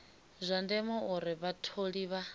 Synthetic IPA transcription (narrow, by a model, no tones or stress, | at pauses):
zʷandɛmɔuɾɪβatʰoɺiβa